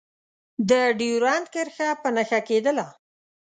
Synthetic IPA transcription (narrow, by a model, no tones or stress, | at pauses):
d̪əɖiuɾɑnd̪̚kəɾxapənaxaked̪əla